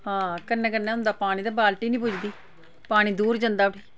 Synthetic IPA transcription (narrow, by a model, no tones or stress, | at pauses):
hãːkənːɛ̃ːkənːɛːɦʊ̃nd̪aːpaːɽ̃ĩːd̪aːbaːlʈiːnĩːp̬ʊd͡ʒd̪iː | paːɽ̃iːd̪uːɾd͡ʒə̃nd̪aːɽiː